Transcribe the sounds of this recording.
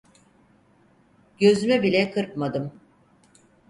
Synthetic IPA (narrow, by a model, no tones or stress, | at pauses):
ɟø̞zymɛbilʲɛkʰɯɾpmad̪ɯm